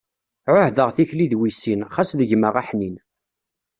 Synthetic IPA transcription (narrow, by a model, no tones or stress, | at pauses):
ʕʊhðəʁθiçliðwisinχæsðəʝməʁaħnin